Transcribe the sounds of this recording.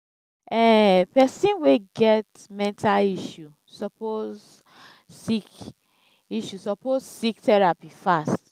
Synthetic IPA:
ɛpɛsĩnweɡɛt | mɛ̃ntʰaliʃu | sɔpoz | sik | iʃusɔpozsiktɛɹapifast

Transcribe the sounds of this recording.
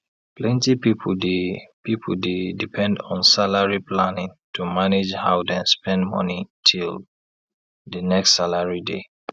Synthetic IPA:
plɛ̃ntipipʰdepipʰodedipʰɛ̃ndɔ̃nsalaɹiplanɪ̃ŋtʰumaned͡ʒha̰ʊdɛ̃nspɛ̃ndmɔ̰nitʰil | dənɛkstsalaɹidḛ

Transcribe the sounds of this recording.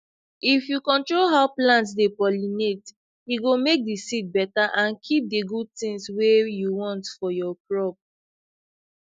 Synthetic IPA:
ifjukɔ̃ntɹolɦaʊplãntsdepɔlinet | jiɡomek̚disit̚bɛtaʔãnkʰip̚deɡud̚tĩŋswejuwɔ̃ntfɔjɔpɹɔp̚

